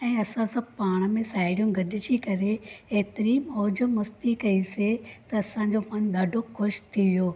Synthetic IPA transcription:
ɛ̃ːɐsãsɐ̃bʱpaːɽ̃mẽsaːɪɽijũɡɐɗɪd͡ʑikɐɾeeɦt̪ɪɾiːmɔːd͡ʑə̆mɐst̪ikɐiset̪ɐːsãɲd͡ʑomɐnɗ̪ʱɐɖʱoxʊʃt̪ʰiʋijoː

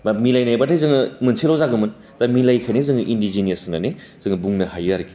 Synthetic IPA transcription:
milajnajbatʰazɯŋɯmɯnsʰilawzaɡɯmɯn | tamilajkʰanezɯŋɯʔindizinijɐsnanez̥ɯŋɯbuŋnɐhajaɾɡi

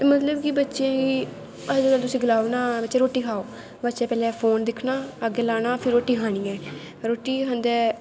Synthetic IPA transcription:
t̪eːmət̪ləbkibətːʃẽːki | əd͡ʒkəlt̪ʊsĩːɡəlaːonaːbətːʃẽːɾoːʈːiːkʰaːoː | bətːʃɛ̃ːpɛːlɛ̃ːpʰoːnd̪ɪkʰnaːəɡeːlaːnaːpʰɪɾːoːʈiːkʰaːɽ̃iːɛː | ɾoːʈiːkənd̪ɛː

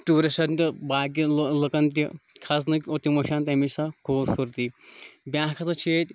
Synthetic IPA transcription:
ʈuːɾɐsɐnt̪ibaːɡilɨkɐnt̪̬ikʰɐs̬nɨkʲoɾt̪imɐʃaːnt̪ʲɐmisɐkʰuːbsuɾt̪ibʲjãːɦkʰɐt̪ɐt͡ʃʰeːt̪ʲ

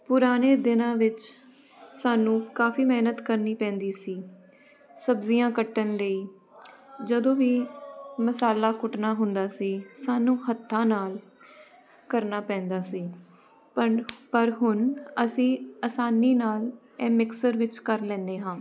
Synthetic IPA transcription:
pʊɾaːneːd̪ɪnãːʋɪt͡ʃ | saːnũːkaːfiːmɛːnət̪kəɾniːpɛ̃ːnd̪iːsiː | səbzijãːkəʈːənləiː | d͡ʒəd̪õːʋiːməsaːlaːkʊʈnaːɦʊnd̪aːsiːsaːnũːhət̪ʰːãːnaːl | kəɾnaːpɛ̃ːnd̪aːsiː | pəpəɾɦʊnəsĩːəsaːniːnaːl | ɛ̃ːmɪksəɾʋɪt͡ʃkəɾlɛ̃ːnd̪eːɦãː

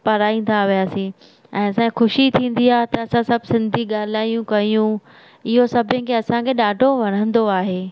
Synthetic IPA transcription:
pɐɾaːĩːn̆d̪aʋijaːsĩ | ɛ̃ːɐsãkexʊʃit̪ʰĩːnd̪iaːɦet̪ɐɐsãsɐbʱsɪ̃nd̪ʱiɠaːl̤aːijũkɐijũ | ɪɦosɐbʱɪ̃kʰeɐsãkʰeɗaːɖʱoʋɐɽ̤̃ə̃nd̪oaːɦeː

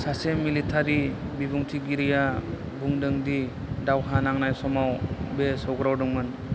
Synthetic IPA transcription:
sasemilitʰaɾibibuŋtʰiɡiɾija | buŋdɯŋdi | dawɦanaŋnajsɔmawbesɔɡɾawdɯŋmɯn

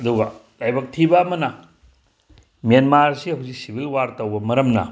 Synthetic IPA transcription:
ɐduɡɐ | lajbɐk̚tʰibɐːmɐnɐ | menmaɾsihɐwzik̚sibʱilwaɾtɐwbɐmɐɾɐmnɐ̰

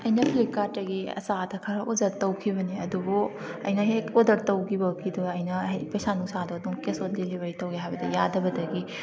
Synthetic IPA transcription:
ɐjnɐpʰlikaɾtɐɡiɐ̰sadɐkʰɐɾɐʔozɐɾtɐwkʰibɐniɐdubu | ɐ̰jnɐɦeodɐɾtɐwɡibɐkʰiduɐjnɐɦjpɐjsanuŋsadoɐduŋkesot̚lilibɐɾitɐwɡeɦajbɐdɐ̰jadɐbɐdɐɡi

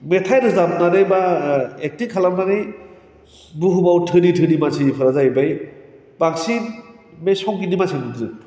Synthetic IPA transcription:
metʰajɾɯzap̚naɾejbaek̚tikʰalamnanij | buɦubawtʰɯditʰɯdimasʰipʰɯɾazajbaj | bak̚sin | mesɔŋkidimasʰenɯdzɯ

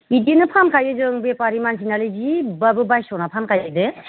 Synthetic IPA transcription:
idienɯpʰankʰajdɯzɯŋbepaɾimansʰinalizibabɯbajsɔwnapʰankʰajzɯdɯ

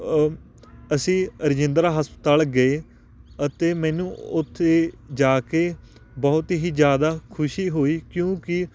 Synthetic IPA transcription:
əsĩːəɾɪd͡ʒɪ̃nd̪ɾaːɦəspət̪aːlɡəeː | ət̪eːmɛːnũːʊt̪ʰːeːd͡ʒaːkeː | bɔːʊt̪ɦiːzjaːd̪aːkʰʊʃiːɦoːiːkjõːkɪ

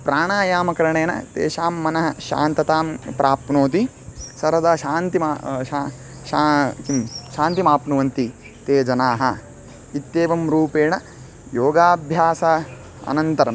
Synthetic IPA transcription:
pɾaːɳaːjaːmɐkɐɾɐɳeːnɐ̰t̪ḛːʃaːmːɐnɐɦɐʃa̰ːnt̪ɐt̪aːmpɾʔaːpnoːt̪i | sɐɾɐd̪ɐʃaːnt̪imaa | ʃakimʃaːnt̪imaːpnuʋɐnt̪i | t̪eːd͡ʒɐnaːɦɐ̰ | it̪jeːʋɐmɾuːpeːɳɐ | joːɡaːbʱjaːsɐ | ɐ̰nɐnt̪ɐɾɐm

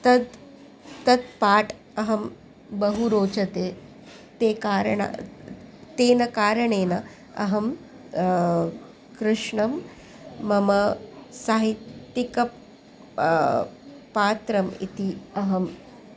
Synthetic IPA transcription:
t̪ɐd̪ | t̪ɐt̪̚paːʈ | ɐɦɐm | bɐɦuɾoːt͡ʃɐt̪eː | t̪eːkaːɾɐɳa̰ | t̪eːnɐkaːɾɐɳeːnɐ | ɐ̰ɦɐm | kɾɪʂɳɐmː | ɐmɐsaːɦit̪ːikɐ | paːt̪ɾɐmḭt̪iɐɦɐm

